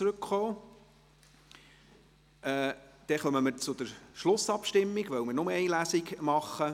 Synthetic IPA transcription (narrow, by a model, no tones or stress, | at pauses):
t͡sɾɵkχoː | ɛːd̪̥ɛχœməməɾt͡sʊd̪əɾʃlʊsɑpʃtɪmːiɡʋœwməɾnʊməɛɪlæːsɪkmɑχːə